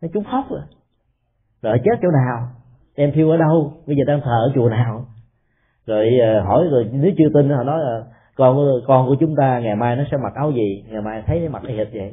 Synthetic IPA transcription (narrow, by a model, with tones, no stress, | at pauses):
n˨˦t͡ɕʊ˨˦ŋ͡mxɔ˦˥p̚ʔa˧˦ | zo˨˩hjt͡ɕe˦˥t̚t͡ɕə˧wnaː˨˩w | ʔɛ˧mt̪ʰi˧əwʔəː˨˦ɗə˧wɓə˧jzəː˨˩ɗaː˧ŋt̪ʰəː˨˩ʔəː˧˦t͡ɕu˨˩ənaː˨˩w | zo˨˩jəː˨˩ɦɔ˧˩jzo˨˩jnɨ˨˦wt͡ɕɨ˧ət̪ï˧nʔɔ˧˩˦nɔ˨˦jlː | kɔ˧nku˧˩kɔ˧nku˧˩ət͡ɕʊ˨˦ŋ͡mt̪aː˧ŋa˨˩jmaː˧jnɔ˨˦sɛ̰˧˥ma˨˩t̚ʔa˨˦wzi˨˩ŋa˨˩jmaː˧jt̪ʰə˨˦jma̰˨˩ʔa˧hi˨˩t̚zə̰˨˩j